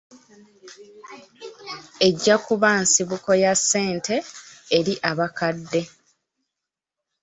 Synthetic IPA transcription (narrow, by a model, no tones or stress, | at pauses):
e̞ɟːakuβansiβuko̞jasːe̞ːnte̞ːɾiʔaβakadːe̞